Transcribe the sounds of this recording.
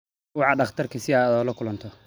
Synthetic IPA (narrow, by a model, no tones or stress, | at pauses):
wɑħɑɖɑχt̪ʰɐrkʰɐsɪaːd̪ɔːlɐkʰʊlɐnt̪ʰɔ